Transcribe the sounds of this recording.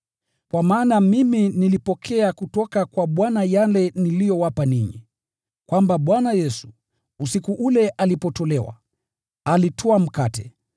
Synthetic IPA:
kwamaːnamiminilipɔkʰɛakutɔkakwaɓwanajalɛnilijɔwapaniɲḭ | kwʔambaɓwanajɛsu̥ | usikuʔulɛʔalipɔtɔlɛwa̰ | alitʰɔam̩katɛ

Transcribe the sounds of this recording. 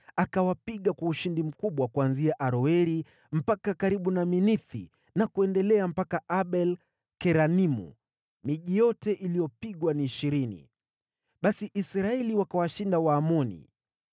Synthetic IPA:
akawapiɠakwauʃindim̩kuɓwakuanziaʔaɾɔɛɾi | m̩pakakaɾiɓunaminiθḭ | nakuɛndɛlɛam̩pakaʔaɓɛl | kɛɾanimṵ | miʄijɔtɛʔilijɔpiɠwaniːʃiɾinḭ | ɓasiʔisɾaɛliwakawaʃindawaːmɔnḭ

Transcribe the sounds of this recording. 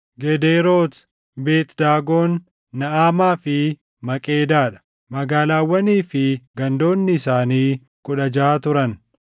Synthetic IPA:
ɡɛd̪eːɾo̞ːt̪ | be̞ːt̪d̪aːɡo̞ːnː | ɐʔaːmaːfɪ | mɐkʼeːd̪aːᶑɐ̥ | mɐɡaːlaːwːɐniːfɪɡɐnd̪o̞ːnːɪːsaːniː | kʼʊᶑɐd͡ʒaːt̪ʊɾɐn

